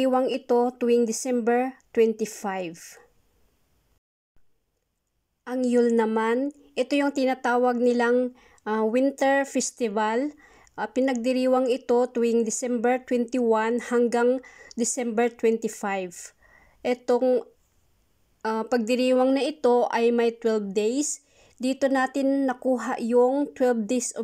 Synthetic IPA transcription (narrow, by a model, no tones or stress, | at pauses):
wɐŋɪt̪o̞t̪ʊwɪŋd̪ɪsɛmbɛɹt̪wɛnt̪ɪfajv | ʔɐŋjulnɐman | ʔɛt̪ojʊŋt̪ɪnat̪aːwɐɡ̚nɪlaŋ | ʔawɪnt̪ɛɹfɛst̪ɪval | pɪnɐɡ̚d̪ɪɾiːwɐŋɪt̪o̞t̪ʊɪŋd̪ɪsɛmbɛɹt̪wɛnt̪ɪwanhɐŋɡaŋd̪ɪsɛmbɛɹt̪wɛnt̪ɪfajv | ʔɛt̪o̞ŋ | apɐɡ̚d̪ɪɾiːwɐŋnɐʔɪt̪o̞ʔɐjmɐjt̪wɛlvd̪ejs | d̪iːt̪o̞naːt̪ɪnːɐkuːɦa̰ʔjʊŋt̪wɛlvd̪ejs